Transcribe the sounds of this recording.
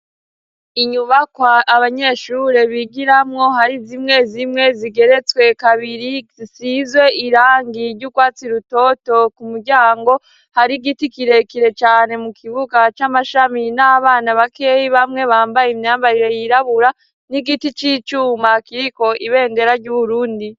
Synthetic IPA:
iɲuβakwaːβaɲe̞ʃuɾeβiɡiɾamŋo̞ɦaɾizimŋe̞zimŋe̞ziɡe̞ɾe̞t͡swe̞kaβiɾiisizwe̞ʔiɾaːŋɡiɾɟukwaːt͡siɾuto̞to̞kumuɾɟaːŋɡo̞ | haɾiɡitikiɾe̞kiɾe̞t͡ʃaːne̞mukʰiβuɡat͡ʃamaʃaminaβaːnaβake̞jiβamŋe̞βaːmbajimɲaːmbaɾiɾe̞jiɾaβuɾa | niɡitit͡ʃiːt͡ʃumakiɾiko̞ʔiβe̞ːnde̞ɾaɾɟuːβuɾuːndi

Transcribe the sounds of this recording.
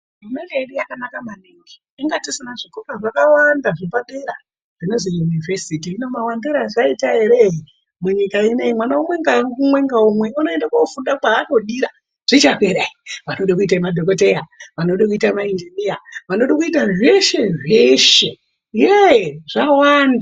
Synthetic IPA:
umedeeɗujakanakamaniŋɡiːŋɡatisinaʐikokaʐakawandaʐipaɗeɾa | ʐ̥ineʐijunivesitiinomawandeɾaʐaitaɦeɾeɦi | muɲikaineimwanaumweŋɡaumweŋɡaumwe̞unoendakofundapaːnoɗiɾa | ʐ̥it͡ʃakeɾaiʋanoɗakuitaimadʱokotejaʋanoɗakuitamaind͡ʒinijaʋanoɗokuitaʐeʃe̞ʐeʃe̞ | ijeʐawanda

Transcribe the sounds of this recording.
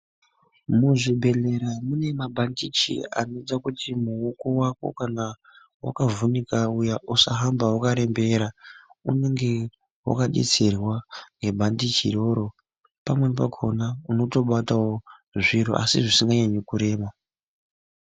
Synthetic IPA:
muʐibʱe̞le̞ɾamune̞mabʱandit͡ʃḭa̰nod͡zakutimuoko̞wako̞̰kana | wa̰kavunikaujaʔusaɦambawakaɾe̞mbe̞ɾaune̞ŋɡe̞ | wa̰kaɗḛt͡serwaŋɡe̞bʱandit͡ʃḭɾo̞ɾo̞ | pamwe̞npakʰo̞nauno̞to̞ɓatawoʐiɾo̰ʔa̰siʐisiŋɡaɲaɲekuɾe̞ːma

